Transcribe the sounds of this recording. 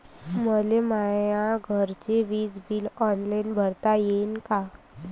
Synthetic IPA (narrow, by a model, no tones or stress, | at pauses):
məlemajãɡʱəɾt͡ɕeʋiːd͡zbilɔnlainbʱəɾt̪ajenka